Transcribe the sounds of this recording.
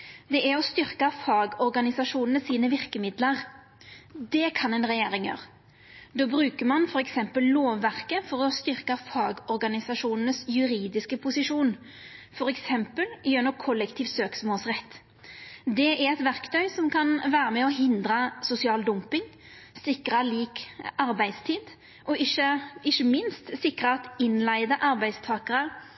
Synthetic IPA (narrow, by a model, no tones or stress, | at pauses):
d̪ɛʔæɾɔst̪ʏɾkɑfɑːɡɔɾɡɑnɪsɑʂuːnənəsiːnəʋɪʁkəmɪd̪ləʁ | d̪ɛkʰɑnɛːnʁɛjeːɾɪŋjø̰ːʁ | d̪oːbɾʉːkəɾmɑnfɔɾɛksɛmpəlloːʋːæʁkəfɔɾɔst̪ʏʁkəfɑːɡɔɾɡɑnɪsɑʂuːnən̩əsjʉɾiːd̪ɪskəpʰʊsɪʂuːn | fɔɾɛksɛmpəljʉnəkʰɔlːɛkt̪ʰiːʋsøːksmoːlsʁɛt̪ː | d̪ɛæɾɛt̪ʋæɾkt̪ʰœʏsɔmkʰɑnʋæːɾəmɛɔɦɪnd̪ɾɑsʊsɪɑːld̪ʊmpɪŋ | sɪkɾɑliːkɑɾbæɪd̪st̪ʰiːd̪ | ʔɔɪʃəɪçːəmɪnst̪sɪkɾɑɑt̪ɪnlæɪd̪əʔɑɾbæɪd̪st̪ʰɑːkəʁə